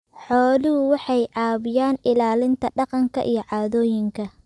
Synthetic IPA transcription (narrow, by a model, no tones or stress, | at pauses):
ħɔːlɪhʊwɑħɑjʕɑːβɪjaːnɪlaːlɪnt̪ʰɐɖɑqɑŋkʰɐ̰ʔijɞʕɑːðɔːjɪŋkʰɐ